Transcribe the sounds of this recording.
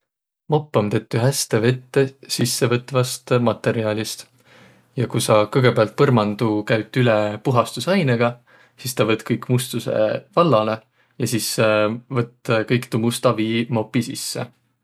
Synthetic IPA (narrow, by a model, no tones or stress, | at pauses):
mopːˑomt̪e̞t̪ːˑyɦæst̪eve̞t̪ːesisːe̞vɤt̪ːvɑst̪mɑt̪ːe̞ɾiɑːlʲist̪ | jɑkusɑkɤjɡ̥e̞peɑlt̪̚pɤrmɑnd̪̥ukæɥt̪ːˑylepuɦɑst̪usɑjneɡ̥ɑ | sist̪ɑvɤt̪ːˑkɤjkmust̪use̞̰vɑlːɑle̞ | jɑsisvɤt̪ːˑkɤjkt̪umust̪ɑviːmo̞pːisisːḛ